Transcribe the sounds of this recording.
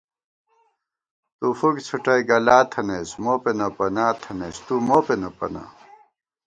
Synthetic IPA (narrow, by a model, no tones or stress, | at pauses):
t̪ufukt͡sʰuʈɐiɡɐlaːt̪ʰɐnesmoːpenɐpɐnaːt̪ʰɐnest̪umoːpenɐpɐ̰na̰